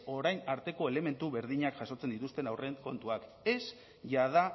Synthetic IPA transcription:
o̞ɾajnaɾt̪e̞ko̞e̞le̞me̞nt̪uβe̞ɾðiɲakʝaso̞t͡send̪it̪ust̪e̞nawre̞ŋko̞nt̪uak | e̞s | ʝað̞a

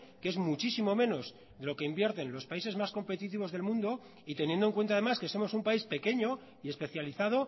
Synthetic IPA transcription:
ke̞zmut͡ʃisimo̞mẽ̞no̞z | ðe̞lo̞keimbje̞ɾt̪e̞nlo̞spaise̞zmasko̞mpe̞t̪it̪iβo̞zð̞e̞lmũnd̪o̞ | it̪e̞nje̞nd̪oŋkwent̪aðemaske̞so̞mo̞sumpaispe̞ke̞ɲo̞ | ie̞spe̞θjaliθað̞o̞

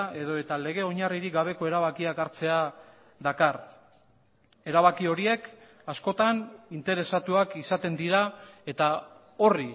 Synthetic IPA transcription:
e̞ðo̞e̞t̪ale̞ɣe̞o̞ɲariɾiɡaβ̞e̞ko̞e̞ɾaβ̞akiakaɾt͡se̞a | ðakar | e̞ɾaβ̞akio̞ɾie̞k | asko̞t̪anint̪e̞ɾe̞sat̪uakisat̪e̞nd̪iɾae̞t̪a | o̞ri

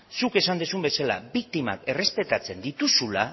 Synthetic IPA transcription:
suke̞sand̪usumbe̞sala̰bik̚t̪ima̰ke̞re̞spe̞t̪at͡se̞nd̪it̪usula

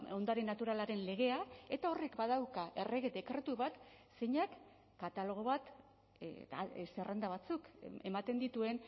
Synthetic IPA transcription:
o̞nd̪aɾenat̪uɾalaɾe̞nle̞ɣ̞e̞ae̞t̪ao̞re̞kbaðawkaʔe̞re̞ɣed̪e̞kɾe̞t̪uβat̪seɲakː | at̪alo̞ɣ̞o̞βat̪ | a̰serʔend̪aβ̞at͡suke̞̰mat̪e̞nd̪it̪ue̞n

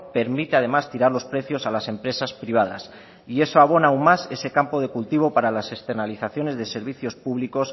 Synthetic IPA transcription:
pe̞ɾmit̪eað̞e̞mast̪iɾaɾlo̞spɾe̞θjo̞salase̞mpɾe̞saspɾiβ̞að̞a̰s | ie̞soaβ̞o̞nauŋmase̞se̞kampo̞ð̞e̞kult̪iβ̞o̞paɾalase̞kst̪e̞ɾnaliθaθjo̞ne̞zðe̞se̞ɾβ̞iθjo̞spuβliko̞s

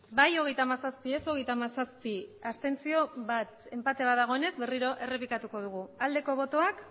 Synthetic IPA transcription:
bajo̞ɣ̞e̞jt̪amasaspie̞so̞ɣ̞e̞jt̪amasaspiast̪e̞nt͡sio̞βat̪e̞mpat̪e̞β̞aðaɣ̞o̞ene̞zβe̞riɾo̞ʔe̞re̞pikat̪uko̞ð̞uɣ̞uald̪e̞ko̞β̞o̞t̪o̞ak

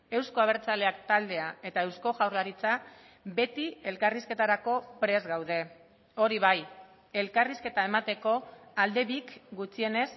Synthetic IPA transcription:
e̞wsko̞aβ̞e̞ɾt͡sale̞ak̚t̪ald̪e̞ae̞t̪ae̞wsko̞ʝawɾlaɾit͡sa | be̞t̪ie̞lkariske̞t̪aɾako̞pɾe̞zɣawðe̞ | o̞ɾiβ̞aj | e̞lkariske̞t̪ae̞mat̪e̞ko̞ald̪e̞βikɡut͡sie̞ne̞s

